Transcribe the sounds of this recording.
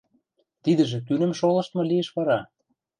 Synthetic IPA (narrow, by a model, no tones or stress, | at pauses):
t̪id̪ə̆ʒĕt̪ynə̆mʃolɤ̆ʃt̪mɤ̆lieʃβɑɾɑ